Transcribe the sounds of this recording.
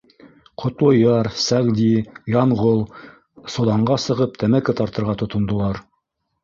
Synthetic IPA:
qʰŏt̪lˠojɑɾsæʁd̪ʲijɑɴʁolˠ | sŏlˠɑɴɢɑsɤ̆ʁɤp̚t̪æmækɘt̪ɑɾt̪ɤ̆ɾʁɑt̪ŏt̪ŏnd̪ŏlˠɑɾ

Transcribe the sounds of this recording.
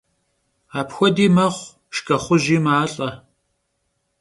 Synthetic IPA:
aːpxʷɔdiːmɐʁʷ | ʃkʰʼɐχʷʊʑiːmaːɬʼɐ

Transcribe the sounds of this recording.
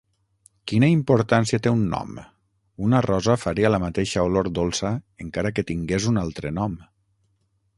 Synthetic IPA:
kinaimpoɾt̪ansiat̪eunːɔ̰m | unarɔzafaɾialamat̪eʃaoloɾd̪olˠsaeŋkaɾaket̪iŋɡezunalˠt̪ɾənɔm

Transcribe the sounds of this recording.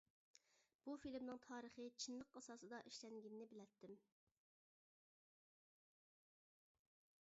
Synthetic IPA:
b̥ufilmnɪŋt̪ʰɑːɾəχɨt͡ʃʰinlˠəqɑsɑːsɨd̪ɑʔiʃlɛŋɡʲinːɪbɪlɛt̪ʰːɪm

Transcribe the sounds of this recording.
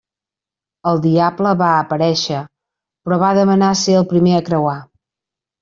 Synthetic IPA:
əlˠd̪iabləβaəpəɾɛʃə | pɾɔβaðəmənaseəlˠpɾimeəkɾəwa

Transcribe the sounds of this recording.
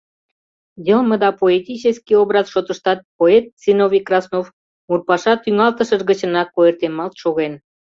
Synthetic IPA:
jəlməd̪ɑpoet̪ʲit͡ɕeskiobɾɑzʃot̪əʃt̪ɑt̪̚poet̪̚sinovikrɑsnof | murpɑʃɑt̪yŋɑlt̪əʃəʒɣət͡ɕə̆nɑkːoert̪emɑlt̪ʃoɣen

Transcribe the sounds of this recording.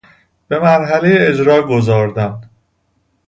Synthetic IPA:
b̥e̞mæɾɦæle̞jeːd͡ʒɾɒːɡo̞zɒːɾd̪æm

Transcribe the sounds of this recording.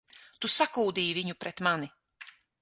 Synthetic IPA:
t̪usakuːd̪iːviɲupɾɛt̪mani

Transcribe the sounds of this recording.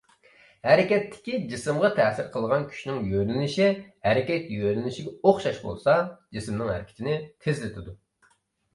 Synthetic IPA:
hæɾɪkʲɛt̪ʰːɪ̥kʲid͡ʒisɨmʁɑt̪ʰɛːsɪɾqʰəlˠʁɑnkʲʰy̥ʃnɪŋjøɾɪnɪʃihæɾɪkʲɛt̪jøɾɪnɪʃiɡʲɛoχʃɑʃbo̰lˠsɑd͡ʒisɨmnɨŋhæ̰ɾkʲʰɪ̥t̪ʰɪnɪt̪ʰɪzlɪt̪ʰɪd̪u

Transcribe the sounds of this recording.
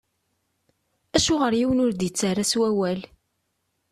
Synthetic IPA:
æʃʊʁəɾjiwənʊɾd̪jət͡sːərːaswæwæl

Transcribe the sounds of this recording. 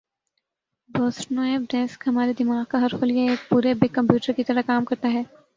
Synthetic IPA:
bɔːsʈnaːebɖɛːskɦɐmaːɾed̪ɪmaːɡkaɦɐɾfoljeeːk̚puːɾebɪkːɐ̃mpjuːʈəɾkit̪ɐɾakaːmkɐɾt̪aɦɛː

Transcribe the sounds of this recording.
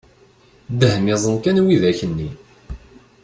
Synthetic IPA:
d̪əhmɪzˤənkænwiðæçənːi

